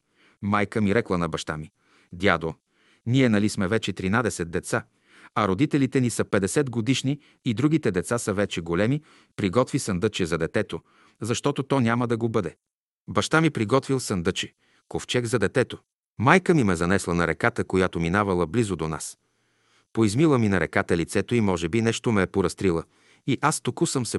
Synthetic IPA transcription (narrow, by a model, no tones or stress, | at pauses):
majkəmiɾɛklˠənɐbɐʃt̪ami | d̪ʲjad̪o | niɛnɐlismɛvɛt͡ʃɛt̪ɾinad̪ɛsɛt̪̚d̪ɛt̪sa | ɐɾod̪it̪ɛlit̪ɛnisəpɛd̪ɛsɛd̪ɡod̪iʃniː | d̪ɾuɡ̟it̪ɛd̪ɛt̪sasəvɛt͡ʃɛɡolɛmi | pɾiɡɔt̪visənd̪ɤt͡ʃɛzɐd̪ɛt̪ɛt̪o | zɐʃt̪ɔt̪ot̪ɔnʲaməd̪ɐɡobɤd̪ɛ | bɐʃt̪amipɾiɡɔt̪vilˠsənd̪ət͡ʃɛ | koft͡ʃɛɡzɐd̪ɛt̪ɛt̪o | majkəmimɛzɐnɛslˠənɐɾɛkat̪əkojat̪ominavɐlˠəblizod̪ona̰s | poizmilˠəminɐɾɛkat̪əlit̪sɛt̪oimɔʒɛbinɛʃt̪omɛːpoɾɐst̪ɾilˠə | iʔast̪okusəmsɛ